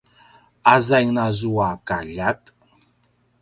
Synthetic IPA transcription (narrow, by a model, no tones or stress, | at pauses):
azajŋnazuakaʎat̪